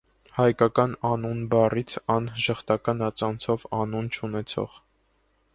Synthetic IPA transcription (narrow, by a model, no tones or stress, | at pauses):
hɑjkɑkɑnɑnunbɑrit͡sʰɑnʒəχt̪ɑkɑnɑt͡sɑnt͡sʰɔvɑnunt͡ʃʰunɛt͡sʰɔ̰ʁ